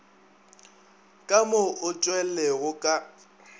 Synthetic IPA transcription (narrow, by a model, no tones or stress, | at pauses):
kʼamoʔʊt͡ʃʼwɛleɣʊkʼa